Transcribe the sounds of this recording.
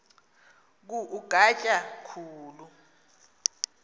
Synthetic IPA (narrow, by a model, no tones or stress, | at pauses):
k̬uʔuɡ̥ʱat͡ʃʼakʰuːlu